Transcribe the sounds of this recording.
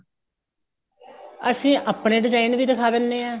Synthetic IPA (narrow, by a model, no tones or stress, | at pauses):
əsĩːʔaːpɳeːɖɪzaːinʋiːd̪əkʰaːd̪ənːeːɛː